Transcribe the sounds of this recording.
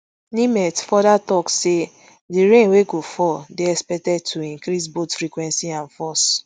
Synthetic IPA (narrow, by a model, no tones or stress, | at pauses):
nimɛtfɔdatɔkse | diɾẽnweɡofɔdeɛspɛtɛd̚tʰuĩŋkɾis̬botfɾikwɛ̃nsiãnfɔs